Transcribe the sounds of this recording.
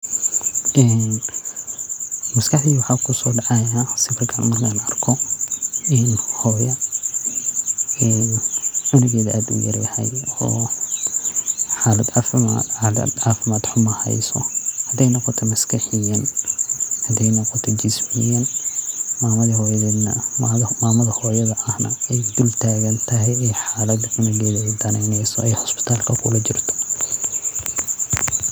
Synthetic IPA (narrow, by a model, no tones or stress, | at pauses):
ʔɛːn | mɐskʰɐħiwʊħaːkʰʊsɔːɖɑʕɑjasɪfɪrkʰɐnmɐrkʰanɐrkʰɔ | ɪnhɔːjɐ | ɛːnʕʊlɪɣɛːðʔaːd̪ṵjɐ̰ɾlɐhɛ̰jɔ̰ː | ħaːlɐd̪afma̰lɐ̰d̪aːfɪmaːd̪ħʊmɐhɛ̰jsɔhɐd̪ɛjnɔqɔt̪ʰɔmɐskʰɐħɪjɐn | hɐd̪ɛjnɔqɔt̪ʰɔd͡ʒɪsmɪjɐn | maːmɐðɐhɔːjɐðɛːd̪nɐmːmaːmɐðɐhɔːjɐðɐʔɐhnɐ̰ɛjd̪ʊlt̪ʰaːɣɐnt̪ʰɐɦɛjɛħaːlɐd̪ʕɪnɪɣɛːðɐɐd̪ɐnɛːnɛjsɔɛjhɔspɪ̥t̪ʰaːlkʰɐkʰʊlɐt͡ʃɪrt̪ʰɔ̥